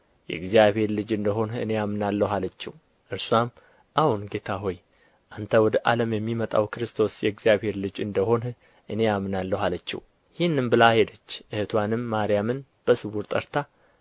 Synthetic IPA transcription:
jɛ̰ɡzijaβhe̞ɾlɨd͡ʒɨnd̪əɦo̞nɨ̰ne̞jamnalːəɦalət͡ʃːɛ̰w | ʔɨɾsuam | ʔahunɡe̞t̪ʰaɦo̞j | ʔant̪ʰəwɔd̪əʔaləmjɛmːimət̪ʼa̰wkɨɾɨst̪ʰo̞sjɛɡzijaβhe̞ɾlɨd͡ʒɨnd̪əho̞n | ʔɨne̞amnalːəɦalət͡ʃːɛ̰w | jhinːɨmbɨlahed̪ət͡ʃːʔɨhɨt̪ʰwanɨmːaɾijamɨn | b̥əsɨβuɾt̪ʼə̰ɾt̪ʰa

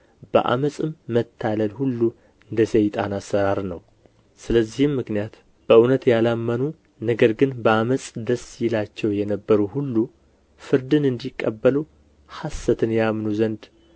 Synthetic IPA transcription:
b̥ə̰ʔa̰məsʼɨmːət̪ʰːaləlhulːu | ɨnd̪əsejt̪ʼanasːəɾaɾnəw | sɨləzːihɨmːɨknijat̪ | b̥əʔɨnət̪jalamːənu | nəɡəɾɡɨnbəaməsʼd̪əsjɪlat͡ʃːɛwjɛnəbːəɾuhulːu | fɨɾd̪ɨnɨnd̪ikʼːəbːəlu | hasːət̪ʰɨnjamnuzənd̪

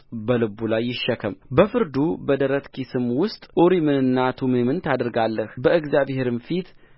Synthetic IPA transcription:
bəlɨbːulajːɪʃːəkʰəmbəfɨɾd̪ubəd̪əɾət̪kʰisɨmwʊst̪ʼʔoɾimɨnɨnːat̪ʰumɨnmɨnt̪ʰad̪ɨɾɡalːəhbəɨɡzjaβheɾɨnfit̪

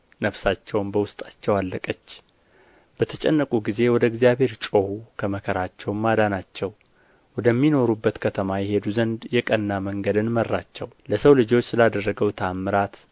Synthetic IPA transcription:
nəfsat͡ʃːɛwnbəwʊst̪ʼḁt͡ʃːɛwalːəkʼət͡ʃː | b̥ət̪ʰət͡ʃʼɛnːəkʼuɡize̞wɔd̪əɡzijaβhe̞ɾt͡ʃʼohukʰəməkʰəɾat͡ʃːɛwmad̪anat͡ʃːɛw | wɔd̪əmːino̞ɾubːət̪kʰət̪ʰəmajɛɦe̞d̪uzənd̪jɛkʼənːaməŋɡəd̪ɨnmərːat͡ʃːɛwləsəwlɨd͡ʒo̞t͡ʃːsɨlad̪ərːəɡəwt̪ʰamːɨɾat̪

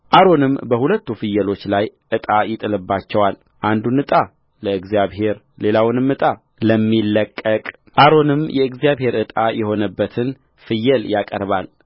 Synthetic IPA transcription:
ʔaɾo̞nɨmbəhulət̪ːufɨjːɛlo̞t͡ʃːlajʔɨt̪ʼajɪt̪ʼɨlɨbːat͡ʃːɛwal | ʔand̪unɨt̪ʼa | ləɨɡzijaβhe̞ɾ | le̞lawʊnɨmɨt̪ʼa | ləmːilːəkʼːəkʼ | ʔaɾo̞nɨmjʔɛɨɡzijaβhe̞ɾɨt̪ʼajɛho̞nəbːət̪ʰɨn | fɨjːɛljakʼə̰ɾbal

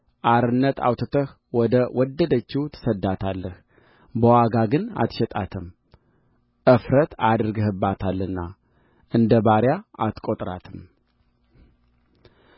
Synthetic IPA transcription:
ʔaɾɨnːət̪ʰa̰wt̪ʰət̪ʰəh | wɔd̪əwʔɔd̪ːəd̪ət͡ʃːit̪ʰə̥səd̪ːat̪ʰalːəh | bəwaɡaɡɨna̰t̪ʃɛt̪ʼat̪ʰɨm | ʔɨfɾət̪ʰad̪ɾɡɨɦɨbːat̪ʰalːɨnːa | ʔɨnd̪əbaɾjaʔat̪kʼot̪ʼɾat̪ʰɨm

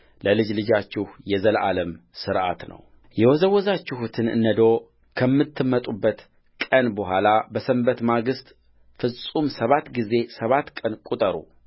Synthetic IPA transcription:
ləlɨd͡ʒlɨd͡ʒat͡ʃːɪhjɛzəlʔaləm | sɨɾʔa̰t̪nə̰w | jɛwɔzəwːɔzat͡ʃːɪhut̪ʰɨnɨ̰nːəd̪o̞ | kʰəmːɨt̪ʰːɨmːət̪ʼubːət̪ | kʼənbəɦʷalabəsəmbət̪maɡɨst̪ʼ | fɨsʼumsəβat̪ɡize̞səβat̪ːkʼənkʼut̪ʼəɾṵ

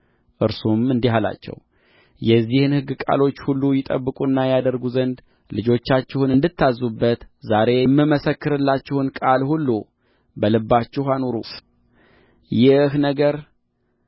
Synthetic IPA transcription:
ʔɨɾsumɨnd̪iɦala̰t͡ʃːɛ̰w | jɛzːihɨnhɨɡːɨkʼa̰lo̞t͡ʃːhulːujɪt̪ʼə̰bːɨkʼunːajad̪əɾɡuzənd̪ | lɨd͡ʒo̞t͡ʃːat͡ʃːɛhunɨnd̪ɨt̪ːazːubːət̪zaɾe̞mːɨməsəkːɨɾɨlːat͡ʃːɪhɨnkʼalhulːu | bəlɨbːat͡ʃːɪɦanoɾṵ | jɪhnəɡəɾ

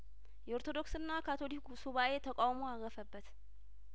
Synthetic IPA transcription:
jɛoɾt̪ʰo̞d̪o̞ksɨnːakʰat̪ʰo̞liksuβae̞t̪ʰəkʼawmo̞aɣəfəbːət̪

